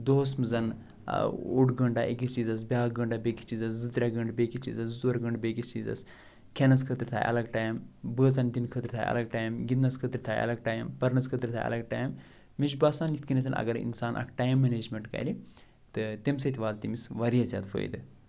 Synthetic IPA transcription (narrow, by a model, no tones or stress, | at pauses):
d̪oːsmɨzɐn̰ | oʈɡɐɳɖaːʔikist͡ʃiːzɐs̬bʲaːɡɐɳɖaːbʲeki̥t͡ʃiːzɐszɨt̪ɾʲaɡɐɳɖbeːkist͡ʃḭːzɐszuɾɡɐɳɖbʲekist͡ʃiːzɐ̰s | kʰʲenɐskʰət̪ɾit̪ʰa̰ːjʔɐ̰lɐɡʈaːjmbəːt͡sɐnd̪ʲinkʰət̪ɾʲit̪ʰaːjɐ̰lɐɡ̚ʈaːjmɡʲinnɐskʰət̪ɾʲit̪ʰaːjɐ̰lɐɡ̚ʈaːjmpɐɾnɐskʰət̪ɾʲit̪ʰaːjɐ̰lɐɡ̚ʈaːjmː | id͡ʒbaːsaːnit̪kinɐt̪ɐnʔɐ̰ɡɐɾḭnsaːnʔɐ̰kʈaːjmːɐneːd͡ʒmʲeɳʈkɐ̰ɾi | t̪ɨt̪emsɐt̪ʰʲʋaːlt̪imisʋɐɾijɐzʲja̰ːd̪fʰo̰ːj̰d̪ɨ